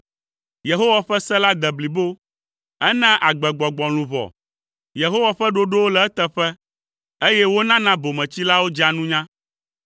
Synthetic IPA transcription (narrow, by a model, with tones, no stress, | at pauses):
je˨ɦo˦wa˨ɸɛ˦sɛ̃˦la˦d̪ɛ˨bli˨bo˦ | ɛ˦nɛ̃˦ʔa˨ɡ͡bɛ˨ɡ͡bɔ˨ɡ͡bɔ˨l̃ũ˨βɔ̰˨ | je˨ɦo˦wa˨ɸɛ˦ɖo˦ɖo˦wo˦lɛ˨ɛ˦t̪ɛ˦ɸɛ˦ | e˦jɛ˦wo˦nã˦nã˦bo˨mɛ̃˨t͡ɕi˦la˦wo˦d͡ʒa˨nũ˦ɲã˦